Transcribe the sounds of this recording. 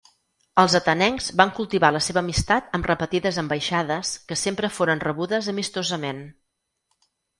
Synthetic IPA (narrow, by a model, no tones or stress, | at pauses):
əlˠzət̪ənɛŋzβaŋkulˠt̪iβaləseβəːmist̪at̪əmrəpət̪iðəzəmbəjʃaðəskəsempɾəfoɾənrəβuðəzəmist̪ozəmen